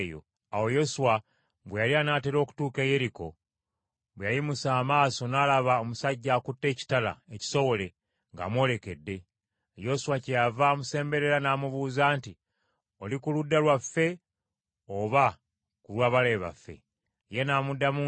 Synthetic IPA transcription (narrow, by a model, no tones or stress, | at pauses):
jo̰ | awo̞jo̞suwa | βwejalianaːteɾo̞ːku̥tuːke̞je̞ɾiko̞̰ | βwejajimusaːmaːso̞naːlaβaomusaɟːaːkutːe̞ːci̥tala̰eci̥so̞wo̞le̞ | ŋɡa̰ːmwo̞ːle̞ke̞dːe̞ | jo̞suwacejavamuse̞ːmbe̞ɾe̞ɾanaːmuβuːzaːnti | o̞likuludːalwafːe̞ | oβa | kulwaːβale̞βa̰fːe̞̰ | je̞naːmudːamu